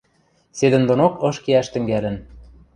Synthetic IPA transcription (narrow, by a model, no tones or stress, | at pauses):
sed̪ɘ̆nd̪onokɤ̆ʃkeæʃt̪ɘ̆ŋɡælɘ̆n